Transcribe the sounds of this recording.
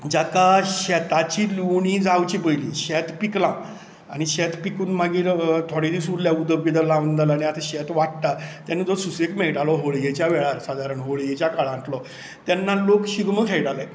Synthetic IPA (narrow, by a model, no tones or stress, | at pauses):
d͡ʑakaɕɛt̪at͡ɕiluɳĩːd͡zawt͡ɕibəjliːɕɛt̪piklã | añiɕɛt̪pikuːnmaɡiːɾt̪ʰoɽed̪isuɾljaud̪əbid̪alaʋənd̪alañiat̪aɕɛt̪ʋaʈʈ̪at̪janːed͡zɔsusekmɛɭʈalɔɦoɭejɛt͡ɕjaʋɛɭaɾsad̪aɾəɳɦoɭejɛt͡ɕakaɭaãɳʈlɔ | t̪janːalokɕiɡməkʰɛjʈala